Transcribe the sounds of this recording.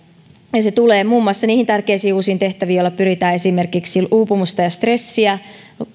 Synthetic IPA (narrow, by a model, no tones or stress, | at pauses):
jɑset̪uleːmuːmːuɑsːɑniːhint̪ærkeisiːuːsiːnt̪e̞ht̪æʋiːjolːɑpyɾit̪æːe̞simerkiksilʔuːpumust̪ɑjɑst̪re̞sːiæ